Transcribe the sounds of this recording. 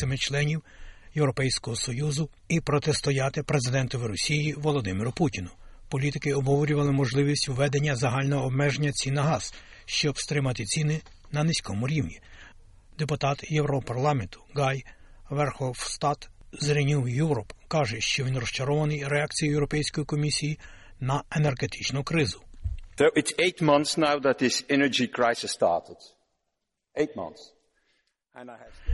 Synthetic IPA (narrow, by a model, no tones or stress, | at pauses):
sɛmɛt͡ʃlˠɛnʲiwjewɾɔpɛjsʲkɔɦɔsɔjuzʊ | ipɾɔt̪est̪ɔjɑt̪ɪpɾe̞zɪd̪ɛnt̪ɔʋɪɾɔsʲijiʋɔlˠɔd̪ɪmɪɾʊputʲinʊ | pɔlʲit̪ɪkɪɔbɦɔʋɔɾʲʊʋɐlˠɪmɔʒlˠɪʋʲisʲtʲwʋɛd̪enʲːɐzɐɦɑlʲnɔɦɔːbmɛʒenʲːɐt͡sʲinɐɦɑz̥ | ʃt͡ʃɔbst̪ɾɪmɐt̪ɪt͡sʲinɪ | nɐnɪsʲkɔmʊɾʲiwnʲi | d̪epʊt̪ɑt̪jewɾɔpɐrlˠɑment̪ʊ̥ɡɑj | ʋɛrxɔwst̪ɑt̪ | zɾʲinʲiwjuwɾɔpkɑʒɛʃt͡ʃɔʋinrɔʃt͡ʃɐɾɔʋɐnɪjɾeɑk̚t͡sʲijijɛwɾɔpɛjsʲkɔjikɔmʲisʲiji | nɐenerɡet̪ɪt͡ʃnʊkɾɪzʊnoʊʔɪtseɪtmʌ̃nθsnaʊðət̪̚ðɪsɛnə˞d͡ʒikʰɹaɪsɪstɑ̰ɹtɪd | eɪt̚mʌ̰̃nθs | ɛ̃na